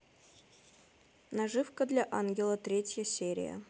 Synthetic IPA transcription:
naʐɨfkəd̪lʲaʔanɡʲɪlˠət̪ɾʲetʲjəsʲeɾʲɪ̰jə̰

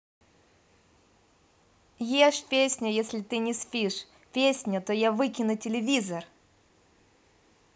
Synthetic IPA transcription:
jeʂpʲesʲnʲʊjesʲlʲɪt̪ɨnʲɪspʲiʂ | pʲesʲnʲʊt̪ojavɨkʲɪnʊtʲɪlʲɪvʲizər

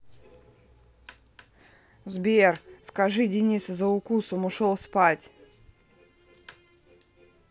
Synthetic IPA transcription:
zbʲerskɐʐɨdʲɪnʲiszəʊkusʊmʊʂolˠspatʲ

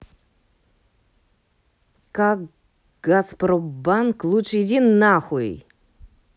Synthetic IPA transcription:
kak | ɡaspɾɔbanklˠuʂɪdʲinːaxuj

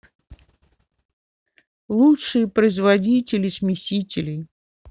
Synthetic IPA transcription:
lˠutʂɨjəpɾəɪzvɐdʲitʲɪlʲɪsmʲɪsʲitʲɪlʲɪj

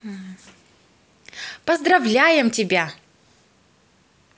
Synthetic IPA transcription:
pɐzd̪rɐvlʲajɪmtʲɪbʲa

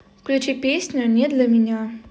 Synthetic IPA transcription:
klʲut͡ʃɪpʲesʲnʲɔnʲɛd̪lʲɐmʲinʲa

